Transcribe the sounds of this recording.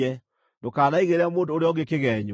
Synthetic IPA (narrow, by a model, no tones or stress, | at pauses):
ɛ | dokaːnaiɣeɾamoːndoːɾeɔɣekeɣɛɲo